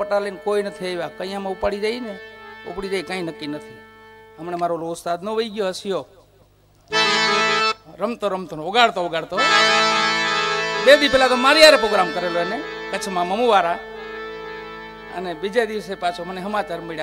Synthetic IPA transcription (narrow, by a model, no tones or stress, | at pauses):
pəʈalenkoinət̪ʰieʋakəĩjãmãupaɽid͡ʒəineṵpɽid͡ʒaikãĩnəkːinət̪ʰiɦəmɳemaɾoloʊst̪ad̪nõʋəiɡjoəsjo | ɾəmt̪oɾəmt̪onoɡaɽt̪ooɡaɭt̪o | bed̪ipelat̪omaɾiaɾepɾoɡɾamkəɾeloənekət͡ʃʰmãməmuʋaɾa | ə̰nebid͡ʒed̪iʋsepat͡ʃʰoməneɦəmat͡ʃaɾmeɭja